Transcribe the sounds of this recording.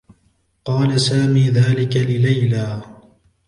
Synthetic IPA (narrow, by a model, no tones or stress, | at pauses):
qɑːlasaːmiːðaːlɪkalɪlajlaː